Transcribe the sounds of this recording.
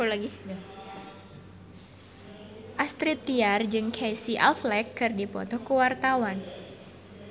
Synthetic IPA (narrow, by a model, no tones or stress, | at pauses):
laɡi | ʔast̪ɾit̪ːiard͡ʒɨŋkʰejsiʔa̰lflɛkːɨrdipɔ̰t̪ɔkəwart̪awan